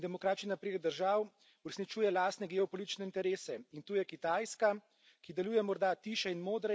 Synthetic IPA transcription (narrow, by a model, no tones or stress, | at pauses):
d̪ɛmɔkɾaːt̪t͡ʃninapɾeːd̪əɾʒaːw | uɾɛsnit͡ʃuːjɛlaːst̪nɛɡɛɔpɔlit̪i̥t͡ʃnɛint̪ɛɾeːsɛint̪uːjɛkit̪ajska | kid̪ɛluːjɛmɔɾd̪at̪iːʃɛinmoːd̪ɾɛ